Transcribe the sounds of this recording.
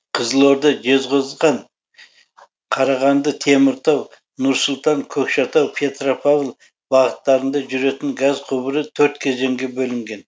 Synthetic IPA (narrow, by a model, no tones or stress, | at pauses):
qʰəzəlˠoɾd̪ɑʒe̞zʁozʁɑn | qʰɑɾɑʁɑnd̪ət̪ʰe̞mɪɾt̪ʰɑw | nʊɾsʊlˠt̪ɑŋkʲʰɵkʃɑt̪ɑwpʰe̞t̪ropʰavlˠ | bɑʁət̪ːɑɾənd̪ɑʒʏɾe̞t̪ɪŋɡazqʰubəɾət̪ʰɵɾt̪kʲʰe̞ze̞ŋɡʲe̞bɵlɪŋɡʲe̞n